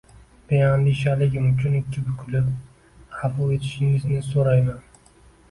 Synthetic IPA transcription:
b̥ejand̪iʃalɪɡʲɪmʊt͡ʃʰʊnɪkʲʰːɪbʊkʲʰʊlɪp | hafʊe̞t̪ʰɪ̥ʃɪŋɪznɪsoɾajman

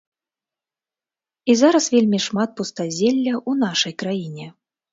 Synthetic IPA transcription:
izaɾɐsvʲelʲmʲiʂmat̪̚pust̪azʲelʲːɐʔunaʂɐjkɾajinʲɛ

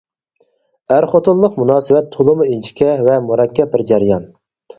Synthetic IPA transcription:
æɾχot̪uʊllˠəqmunɑːsɨvɛt̪ʰːolˠʊmuint͡ʃʰi̥kʲʰɛvɛmuɾɑkʲʰːɛp̚bɪɾd͡ʒæɾɪjɑn

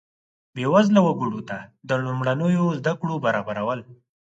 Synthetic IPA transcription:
bewazlawaɡuɽot̪ad̪əlumɽanəjozd̪akɽobaɾɑbaɾawəl

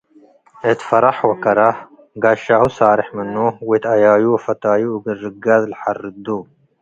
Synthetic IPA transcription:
et̪fɐɾɐħwɐkɐɾa | ɡaːʃaːhusaːɾɪħmɐnːowet̪ɐjaːjuɐfɐt̪aːjuːɡɨɾːɨɡazlħarɨd̪o

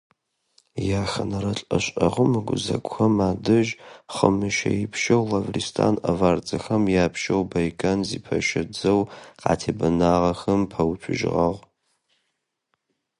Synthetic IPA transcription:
jaːxɐnɐɾɐɬʼɐ̰ɕʼɐʁəmɨɡʷʊ̰zɐ̰ɡʷʼxɐmaːdɨʒχəmɨʃɐ̰jipʰʃɐwlɐvristʰa̰nɐvaːrt͡sʼɐxɐmjaːpʰʃɐwbɐjkʰʼanzipʰɐʃɐd͡zɐwqɑ̰ːtʰeːbɐnaːʁɐxɐmpʰɐwt͡ʃʷʰʊʒɪʁɐʁ

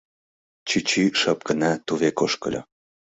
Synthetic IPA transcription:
t͡ɕit͡ɕiʃəp̚kənat̪uβekoʃkə̰̆lʲɤ̰

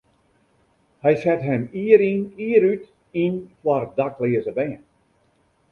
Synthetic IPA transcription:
hɛjsɛtɦɛmiːəɾiniəɾyt | inkwarədaklɪəzəbɛːən

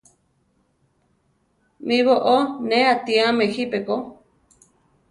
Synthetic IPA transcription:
mĩβoʔoneat̪iamehipeko

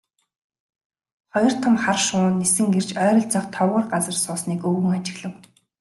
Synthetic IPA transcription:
χɔjɞ̆r̥t̪ʰə̆mχarʃʊːnːesɘ̆ŋɡert͡ɕœːɾɞ̆ɮt͡sɔqt̪ʰɔwə̆rɢat͡sə̆rsʊːsniːkɵɣɘ̆ŋat͡ɕɪ̆ɣɮɘ̆w

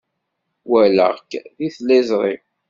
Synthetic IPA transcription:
wælə̰ʁkðiθlæzʁḭm

